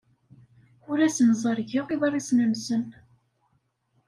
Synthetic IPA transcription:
ʊɾæsnzˤəɾʝiʁiðɑrˤisnənsən

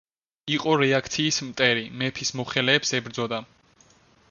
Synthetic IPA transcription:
iqʼɔɾɛakʰt̪sʰiːsmt̪ʼɛɾimɛpʰismɔχɛlɛːpsɛbɾd̪zɔd̪a

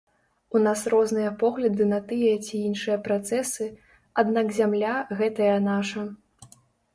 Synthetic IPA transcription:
unasrɔznɨjɐpɔɣlʲɐd̪ɨnɐt̪ɨjɐt͡sʲiinʂɨjɐpɾat̪sɛsɨ | ad̪nakzʲamlʲaɣɛt̪ɐjɐnaʂɐ

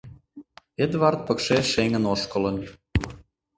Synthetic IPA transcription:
ed̪vart̪̚pəkʃeʃeŋə̆noʃkolə̆n

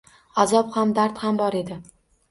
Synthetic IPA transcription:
azɒphamd̪aɾt̪hambɒɾe̞d̪ɪ

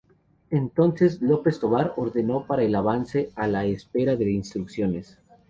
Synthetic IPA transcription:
ent̪o̞nse̞slo̞pe̞st̪o̞βaɾoɾðe̞no̞paɾaelaβanse̞alaespe̞ɾaðe̞inst̪ɾuksjo̞nes

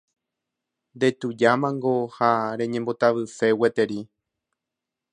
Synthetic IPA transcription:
nd̪e̞t̪ud͡ʒamãŋɡo̞haɾẽ̞ɲẽmbo̞t̪aʋɨfe̞we̞t̪e̞ɾi

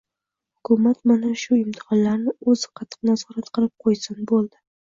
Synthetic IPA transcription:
hʊkʰʊmat̪manaʃʊjʊmt̪ʰɪ̥ʁɨnlaɾnɪɵzɪqʰɑt̪ʰːɨ̥qnazɒɾat̪qʰɨlˠɪp̚qʰojsɪnbolˠd̪ɪ

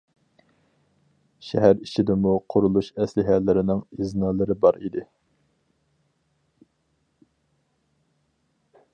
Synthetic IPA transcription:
ʃɛ̰ɦæɾiʃʰid̪ɪmuqʰʊɾulˠuʃɛslɪɦælːɪɾɪnɪŋiznɑːlˠɨɾɨbɑɾid̪ɪ

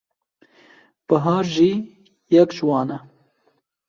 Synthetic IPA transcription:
b̥əɦɑːɾʒiː | jɐkʒwɑːnɐ

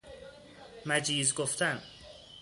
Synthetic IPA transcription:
mæd͡ʒiːzɡoft̪ʰæn

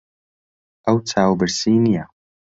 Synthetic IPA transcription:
ʔɐwtʰaːwbɨɾsiːnija

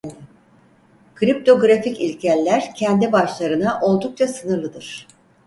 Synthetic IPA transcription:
kʰɾip̚t̪ʰo̞ɡɾaficilʲcʰælʲːæɾcʰɛnd̪ibaʃlˠaɾɯnaʔo̞lˠd̪uk̚t͡ʃʰasɯnɯɾlˠɯd̪ɯɾ̥

